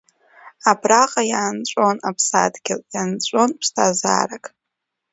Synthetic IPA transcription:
abraqʼajaːnt͡ʃʷʼo̞napʰsa̰dɡʲɪljant͡ɕʷʼo̞npʰstʰaza̰ːrakʼ

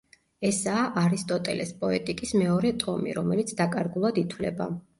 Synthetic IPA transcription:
ɛsaːʔaɾist̪ʼɔt̪ʼɛlɛspʼɔɛt̪ʼikʼismɛɔɾɛt̪ʼɔmḭɾɔmɛlit̪sʰd̪akʼaɾɡulˠad̪it̪ʰwlɛ̰ba̰

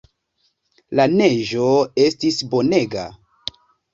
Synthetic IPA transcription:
lane̞ʒo̞e̞stisbo̞ne̞ɡa̰

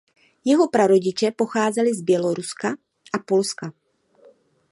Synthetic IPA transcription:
jɛɦo̞pɾaɾo̞ɟɪt͡ʃɛpo̞xaːzɛlɪzbjɛlo̞ɾuska | ʔapo̞lska

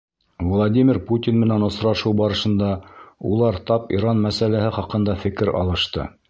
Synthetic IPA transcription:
vlˠadʲimʲiɾput̪ʲinmɘ̆nænŏsɾɑʃɤwbɑɾɤ̆ʃɤ̆nd̪ɑulˠɑɾt̪ɑpḭɾɑnmæsælæhɘχɑqɤ̆nd̪ɑfɘ̆kɘɾɑ̰lˠɤ̆ʃt̪ɤ̰

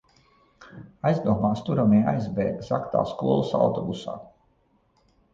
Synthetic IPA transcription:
ajzd̪uɔmaːst̪uɾamɛːajzbɛ̰ːzakt̪a̰ːskuɔlˠusa̰wt̪ɔbusa̰ː

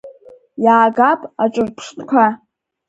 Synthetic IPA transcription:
jaːɡapʼaʈ͡ʂʷʼɨrpʰʂtʰʼkʷʰa

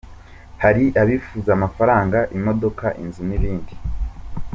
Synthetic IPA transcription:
haɾiʔaβifuzamafaɾaːŋɡaʔimo̞do̞kaʔinzuniβiːndi

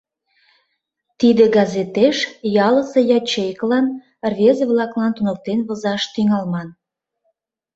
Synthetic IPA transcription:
t̪id̪ĕɡɑzet̪eʃjɑləse̽jɑt͡ɕejklɑn | rβʲezeβlɑklɑnt̪unə̆k̚t̪enβə̆zɑʃt̪yŋɑlmɑn

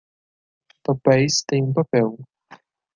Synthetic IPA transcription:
pɐpɛjst̪ẽj̃ũpɐpɛw

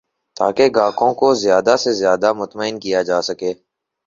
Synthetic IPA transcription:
t̪a̰ːkeɡaːkõkozjaːd̪asezjaːd̪amʊt̪məɪnkijaːd͡ʒaːsəkeː

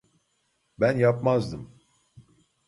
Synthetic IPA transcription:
bænjapmazd̪ɯm

